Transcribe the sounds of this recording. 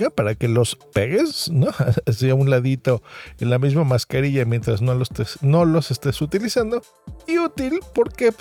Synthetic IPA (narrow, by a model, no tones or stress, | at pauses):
apaɾake̞lo̞speɣesnoseaunlaðit̪o̞enlamizmamaskaɾiʝamje̞nt̪ɾaznolost̪esno̞lo̞se̞st̪esut̪ilisand̪o̞ | iut̪ilpo̞ɾke